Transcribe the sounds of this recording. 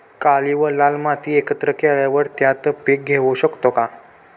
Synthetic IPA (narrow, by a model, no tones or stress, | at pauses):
kaliʋəlalmat̪iːekət̪ɾəkeɭjaʋəɽt̪jat̪pek̚ɡʱeʋuɕəkt̪oka